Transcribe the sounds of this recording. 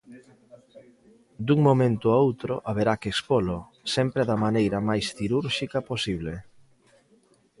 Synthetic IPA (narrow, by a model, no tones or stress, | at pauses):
d̪uŋmomẽnt̪ʊaowt̪ɾʊʔaβeɾakespolʊ | sɛmpɾeðɐmanejɾɐmajsθiɾuɾʃikɐposiβ̞le